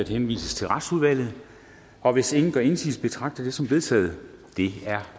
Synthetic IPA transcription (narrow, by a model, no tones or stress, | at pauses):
æd̥henʋḭːsəst͡sʰe̝lʁɑ̈d̥suð̞ˠʋæl̰ð̞̩ˠ | ɒ̽ʋe̝se̝ŋn̩ɡ̥ɶɐe̝nsḭːsb̥e̝t͡sʰʁɑ̈ɡ̥̚d̥ɐd̥e̝sɒ̽mʋe̝ðˠt͡sʰɛ̰ːð̞̩ˠd̥e̝æɐ